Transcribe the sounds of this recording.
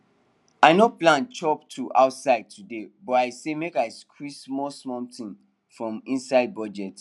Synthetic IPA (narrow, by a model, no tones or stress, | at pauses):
aɪnoplãnt͡ʃɔptʰuʔa̰ʊtsaɪd̚tʰudebɔtaɪsemekaɪskʰɹismɔsmɔ̃mtĩn | fɹɔ̃mĩnsaɪd̚bɔd͡ʒɛt